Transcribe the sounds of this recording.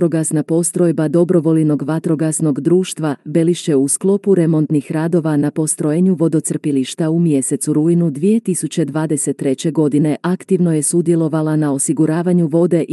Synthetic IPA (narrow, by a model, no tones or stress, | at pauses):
ɾoɡasnapo̞st̪ɾo̞jbad̪o̞bɾo̞ʋo̞lino̞ɡʋat̪ɾo̞ɡasno̞ɡd̪ɾuːʃt̪ʋabe̞liʃt͡ɕe̞usklˠo̞puɾe̞mo̞nt̪nixɾaːd̪o̞ʋanapo̞st̪ɾo̞jeɲuʋo̞d̪o̞t̪sr̩piliʃt̪aumje̞se̞t̪suɾujinud̪ʋije̞t̪isut͡ɕe̞d̪ʋaːd̪eset̪ːɾe̞t͡ɕe̞ɡo̞d̪ine̞ʔakt̪iʋno̞je̞sud̪je̞lˠo̞ʋalanao̞siɡuɾaːʋaɲuʋo̞d̪e̞ʔ